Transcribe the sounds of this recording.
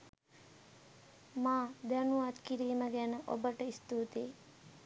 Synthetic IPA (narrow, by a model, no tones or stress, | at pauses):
maːd̪ænuʋat̪kiɾiːməɡænəʔo̰bəʈəist̪uːt̪eː